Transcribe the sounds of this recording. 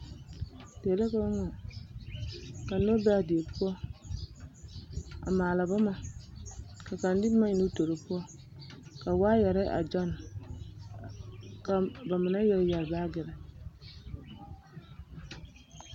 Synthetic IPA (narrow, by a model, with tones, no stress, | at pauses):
d̥e˨le˦ka˦ŋɔ˨ | ka˨no˦bɛ˦a˨di˨e˨pu˦ɔ˦ | a̰˨maː˨la˨ba˦ma˨ | ka˨ka˨n˦di˦ma˦i˨nu˦to˨ɾi˨pɔ˦ | ka˨waː˦jɛ˨ɾɪ˦ʔa̰˨d͡ʒɔ˦n | ka˨ba˨mɪ˨na˦jɛ˨ɾjɛ˨ɾbaː˦ɡɪ˨ɾɛ˨